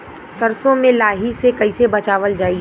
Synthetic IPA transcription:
sɐɾsõmẽlaːɦisekɐɪsebɐt͡ʃaːʋəld͡ʒaːi

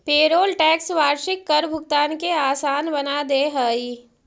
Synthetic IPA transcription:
peːɾoːlʈɛːksʋaːɾʃɪkːɐɾbʱʊɡt̪aːnkeaːsaːnbɐnad̪eːɦəːiː

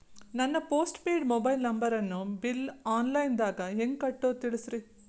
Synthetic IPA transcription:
nɐnːɐpoːsʈpeːɖmoːbɐjlnɐmbɐɾɐnːubilaːnlɐjnd̪aːɡɐɦeŋɡkɐʈːoːt̪iɭisɾi

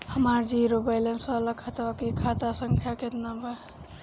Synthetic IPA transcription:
həmaɾd͡ʒiɾobajlensaləkʰat̪aakikʰat̪asəŋkʰjaket̪nabə

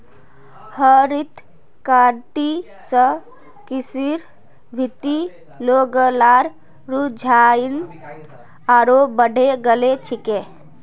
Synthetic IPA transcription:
həɾit̪ | kaːɾʈ̪i | sə | kisiɾ | bʱit̪i | loːɡəlaːɾ | ɾud͡ʒʱan | aːɾobəɖ̤ʱeɡəlet͡ʃʰike

